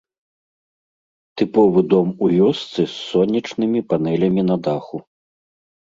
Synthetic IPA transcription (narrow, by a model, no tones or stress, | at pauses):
t̪ɨpɔvɨd̪ɔmuvʲɔst̪sɨsːɔnʲːit͡ʂnɨmʲipan̪ɛlʲɐmʲinɐd̪axu